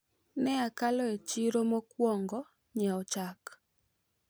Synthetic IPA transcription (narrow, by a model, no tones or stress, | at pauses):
nɛakalɔet͡ʃiɾomokwɔŋɡɔ | ɲaɔt͡ʃak